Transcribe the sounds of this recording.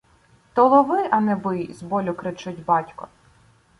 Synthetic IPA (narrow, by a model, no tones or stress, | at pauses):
t̪ɔlˠɔʋɪʔɐnɛbɪjzbɔlʲʊkɾɪt͡ʃʊtʲbɑtʲkɔ̰